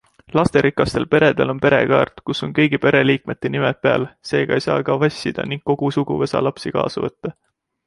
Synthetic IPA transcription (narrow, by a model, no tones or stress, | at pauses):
lɑst̪e̞ɾikːˑɑst̪e̞lpe̞ɾe̞d̪̥e̞̰lo̞npe̞ɾe̞̰kɑːrt̪kuso̞nkɤ̞jɡipe̞ɾe̞liːk̚me̞t̪ːˑe̞nimepe̞ɑ̰lse̞ːɡ̥ɑejsɑ̰ːkɑvɑsʲːid̪̥ɑ̰niŋɡ̥̚kːo̞ɡ̥usuɡ̥uve̞sɑ̰lɑpsikɑ̰ːsɑvɤ̰t̪ːɑ